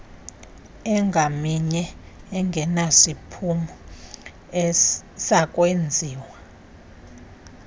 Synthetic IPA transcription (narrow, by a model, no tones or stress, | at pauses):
ɛŋɡʱamiɲɛ | ɛŋɡʱɛnasipʰumu | ɛsakʼwend͡zʱiːwa